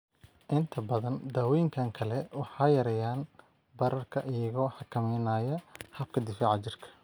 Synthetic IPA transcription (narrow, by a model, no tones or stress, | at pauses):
ʔɪnt̪ʰɐbɐðɐnd̪aːwɔjɪŋkʰaːŋkʰɐlɛwɑħɑːjɐɾɐjaːn | bɐɾɐrkʰɐʔɪjɐɣɔːħɑkʰɐmɛjnaːjɐhɐb̚kʰɐd̪ɪfaːʕɑt͡ʃɪrkʰɐ̥